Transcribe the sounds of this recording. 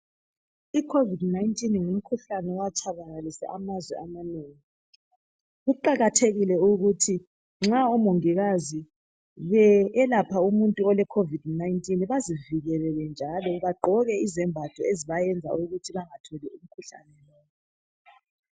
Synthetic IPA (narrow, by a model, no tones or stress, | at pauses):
ikʰovidnaintʼinŋum̩kʰuɬanɛwat͡ʃʰʼaβaɣalisɛ̰ʔamazwɛ̰amaneːŋi | ɣuǃaɣatʰeɣilɛuɣutʰi | ŋ͡ǁaumoŋiɣazi | βɛːlapʰaumuntʼuɔlɛkʰovidnaintʼinβaziviɣɛlɛlɛnd͡ʒʱalɔβaɡ͡ǃʱɔɣɛizɛmbʱatʰɔeziβajɛnd͡zʱa̰uɣutʰiβaŋatʰɔlɛum̩kʰuɬa̰nɛlɔːβɔ